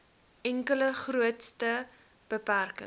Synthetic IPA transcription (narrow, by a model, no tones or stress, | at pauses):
ʔɛŋkələχruətstə | b̥əpærkə̰ŋ